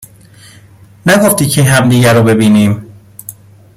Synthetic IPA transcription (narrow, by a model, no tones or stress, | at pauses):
næɡoft̪iːcʰeɦæmd̪iːɟæɾobe̞biːniːm